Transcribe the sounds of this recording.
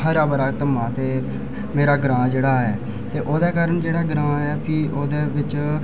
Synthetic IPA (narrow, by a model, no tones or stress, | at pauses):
həɾaːbəɾaːt̪əmãːt̪eː | meːɾaːɡɾãːd͡ʒeːɽaːɛː | t̪eːʔoːd̪eːkaːɾəɳd͡ʒeːɽaːɡɾãːɛːpʰiːʔoːd̪eːʋɪt͡ʃ